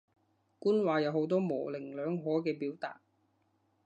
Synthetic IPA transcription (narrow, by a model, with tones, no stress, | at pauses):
kuː˥nwaː˨˧jɐ˨˧who˨˥wt̪ɔː˥mɔː˨˩lɪ˨˩ŋlœː˨˧ŋɦɔː˨˥kɛː˧piː˨˥wt̪a̰ː˨t̚